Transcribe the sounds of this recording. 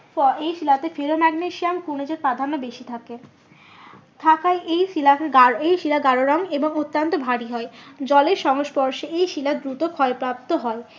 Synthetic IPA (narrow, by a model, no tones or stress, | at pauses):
fɔejʃilat̪efeɾomaɡneʃiamkuɾned͡ʑeɾpɾad̪ʱanːobeʃit̪ʰake | t̪ʰakajejilaaejʃilaɡaɾoɾɔŋeboŋot̪ːant̪obʱaɽiɦɔed͡ʑɔleɾʃɔŋoʃpɔɾʃeejʃilad̪ɾut̪okʰɔepɾap̚t̪oɦɔe